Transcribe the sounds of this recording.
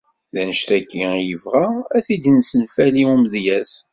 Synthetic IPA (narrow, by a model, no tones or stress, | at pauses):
ðænəʃt̪ækːijəvʁaæθid̪nsənfæliumðjæs